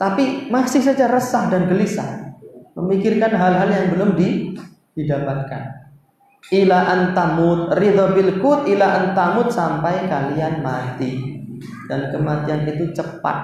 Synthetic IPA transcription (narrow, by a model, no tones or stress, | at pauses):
t̪apimasɪhsad͡ʒarəsahdanɡəlisa̰məmikɪrkanɦalɦaljaŋbəlʊmdi | d̥idabat̪̚kan | ʔilaʔant̪amʊt̪̚rid̪ɔbɪlkut̪̚ilaʔant̪amʊt̪̚sampajkalianmat̪i | d̥ankəmat̪ianit̪ut͡ʃəpa̰t̪̚